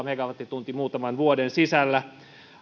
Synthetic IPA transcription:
meɡɑʋɑt̪ːit̪unt̪imuːt̪ɑmɑnʋuodensisælːæ

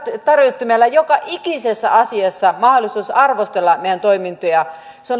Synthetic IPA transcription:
t̪ɑrjot̪ːumælːɑjokɑʔikisesːæ̰ɑsiɑsːɑmɑholisuːsɑrʋost̪elːɑmeˑjænt̪oimint̪ojɑ | seon

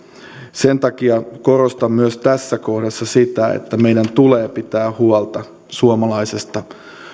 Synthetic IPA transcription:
sent̪ɑkiɑkorost̪ɑmmyøst̪æsːæko̞hdɑsːɑsit̪æḛt̪ːæme̞jdænt̪uleːpit̪æːhuɑlt̪ɑ | suomɑlɑjsest̪ɑ

